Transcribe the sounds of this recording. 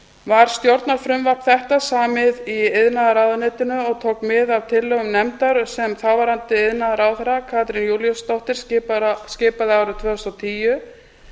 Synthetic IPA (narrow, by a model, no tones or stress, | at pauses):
vaɾ̥st̪jowɾt̪naɾ̥fɾʏmvapθɛht̪asaːmɪðiɪðnaðaɾaːwðanɪt̪ɪnʏɔɣt̪ʰoːwkmɪðav̥t̪ʰɪlːœɣʏmnɛmt̪aɾ̥sɛmθaːwvaɾant̪ɪɪðnaðaɾaːwθɛɾakʰaːt̪ɾɪnjuljɔst̪ɔht̪ɪɾ̥sɪscɪːpaðɪaːwɾɪt̪ʰvœːhʏst̪awt̪ʰiːjʏ